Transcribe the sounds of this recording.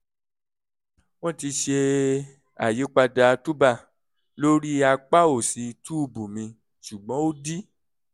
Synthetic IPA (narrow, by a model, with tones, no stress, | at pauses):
w̃ɔ̃˦ti˧ʃe˧ | a˨je˨˦k͡pa˧da˧tu˦ba˦˨ | lo˦ɾi˦a˧k͡pa˦o˦˨si˨˧tu˦˨bũ˨mĩ˧ | ʃu˨ɡ͡bɔ̃˨˦o˦di˦